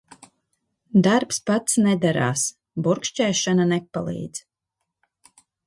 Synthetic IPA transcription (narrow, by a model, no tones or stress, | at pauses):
d̪aɾpspat̪snɛd̪aɾa̰ːs | buɾkʃt͡ʃɛːʃananɛpa̰lˠḭːd̪z̥